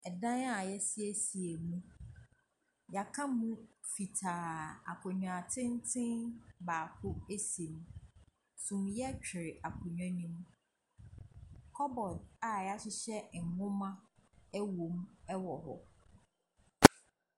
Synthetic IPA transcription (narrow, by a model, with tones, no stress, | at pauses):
ɛ˨dã˦na˨jɛ˦si˦e˦si˨e˨mũ˦ | ja˨kʰã˦mũ˦fi˨tʰaː˨a˨kʰʊ̃˨ɲᶣã˨tʰɪ̃˦n˦tʰɪ̃˦nbaː˨kʰʊ˦e˦sĩ˨m | sũ˨mjɛ˦t͡ɕᶣɪ˨ɾɪ˨ʔa˨kʰʊ̃˨ɲᶣã˦nĩ˦m | kʰɔ˦bɔ˨da˨ja˦ɕɪ˦ɕɛ˦˨ŋʊ̃˦mã˦æ˦wõ˨mɛ˦wɔ˨ɦɔ̰˨